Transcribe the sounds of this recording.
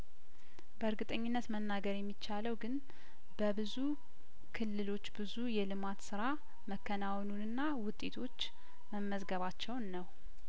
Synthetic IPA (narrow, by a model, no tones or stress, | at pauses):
bəɨɾɡɨt̪ʼəɲːɪnːət̪mənːaɡəɾjɛmːit͡ʃːaləwɡɨn | b̥əbɨzu | kʰɨlːɨlo̞t͡ʃːbɨzujɛlɨmat̪sɨɾa | məkːənawnunɨnːawʊt̪ʼe̞t̪ʰo̞t͡ʃː | məmːəzɡəβat͡ʃːɛwnːəw